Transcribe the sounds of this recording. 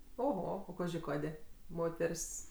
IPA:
oːˈɣoː oː ˈkɑːʒʲɪ ˈkɑːdʲeː ˈmoːtʲɛrʲsʲ

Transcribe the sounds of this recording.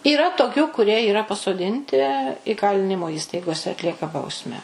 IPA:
iːˈrɐ toːˈkʲuː kʊˈrʲiɛ iːˈrɐ pɐsoːˈdʲɪnʲtʲɪ iːˈkɑːlʲɪnʲɪmoː ˈiːstɐɪɡoːsʲɛ ɐtʲˈlʲiɛkɐ ˈbɐʊsʲmʲæː

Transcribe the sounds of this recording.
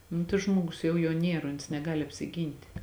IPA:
ˈnʊ tɐɪ ˈʒmoːɡʊs ˈjɛʊ juɔ ˈnʲiɛr oːns nʲɛˈɡɑːlʲɪ ɐpʲsʲɪˈɡʲiːnʲtʲɪ

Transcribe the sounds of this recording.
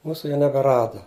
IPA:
ˈmuːsʊ jɛʊ nʲɛbʲɛˈrɑːdɐ

